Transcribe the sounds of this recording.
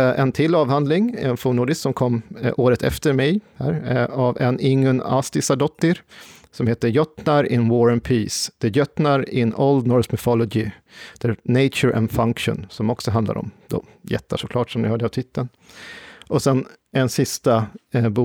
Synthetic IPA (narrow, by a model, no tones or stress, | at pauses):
ʔɛ̰nt̪ʰɪlːɑːvhand̪lɪŋɛnfuːnuːɖ̪ɪssɔmkʰɔmːʔoːɾət̪ʰɛ̰ft̪əɾmɛjhæ̰ːɾavɛnɪŋːɵna̰st̪ɪsaɖɔt̪ːɪɾ | sɔmheːt̪əjœt̪naɾɪnwɔɾənpʰiːsd̪̥əjœt̪naɾɪnold̪nɔɾsmɪfɔlɔd͡ʒɪ | d̪̥æneɪt͡ʃəɾʔɛ̰nfaŋkʂʊ̰nsɔmɔksɔɦand̪la̰ɾɔ̰md̪o̰ː | jɛ̰t̪ːaʂɔkʰlɑːʈsɔmd̪ɪhœːɖəavt̪ʰɪt̪ʰːən | ʔɔsɛn | ɛnsɪst̪abu